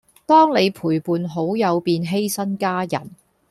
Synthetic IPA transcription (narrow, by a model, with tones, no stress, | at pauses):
t̪ɔː˥ŋne˨˧jpʰuː˨˩jpuː˨nɦo˨˥wjɐ˨˧wpiː˧nɦe˥jsɐ˥nkaː˥jɐ̰˨˩n